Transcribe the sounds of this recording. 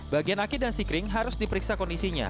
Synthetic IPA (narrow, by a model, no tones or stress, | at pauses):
baɡianakidansikɾɪŋɦaɾʊsdipəɾiksakɔndisiɲa̰